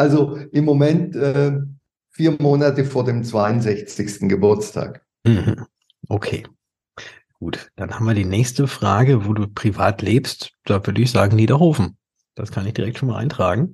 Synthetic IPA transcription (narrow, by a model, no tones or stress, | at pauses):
ʔalzoʔɪmːomɛntʔɛ | fiːɐmoːnatəfoːɐdeːmt͡sv̥aɪʊnzɛçt͡sɪçstn̩ɡəbʊɐt͡stʰa̰ːk | m̩hm̩ | ʔokʰḛː | ɡ̥uːtd̥anhamviːɐdiːnɛːçstəfʁ̥aːɡəvoːduːpʁ̥iva̰ːtleːpstd̥aːvʏɐdəɪçz̥aːɡŋ̩niːdɐhoːfn̩ | d̥askʰanɪçd̥iʁɛk̚tʃoːnmaːlʔa̰ɪntʁ̥aːɡŋ̩